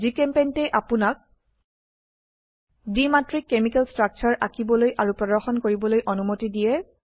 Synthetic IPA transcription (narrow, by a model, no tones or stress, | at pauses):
zikɛmpejntɛʔapunak̚ | dimatɹikːemikɛlstɹak̚t͡ʃʰaɹʔakibɔlojʔaɹupɹɔdɔɹxɔnkoɹibɔlojʔɔnumotidijɛ